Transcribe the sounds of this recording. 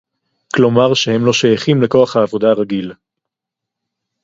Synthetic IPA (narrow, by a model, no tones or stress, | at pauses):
klo̞maʁʃehe̞mlo̞ʃejaχimleko̞aχhaːvo̞d̪aːʁaɡil